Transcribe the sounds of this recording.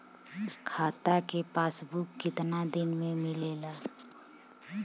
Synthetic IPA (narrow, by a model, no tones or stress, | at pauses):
kʰaːt̪akepaːsbukːɪt̪nad̪ɪnmẽmɪlelaː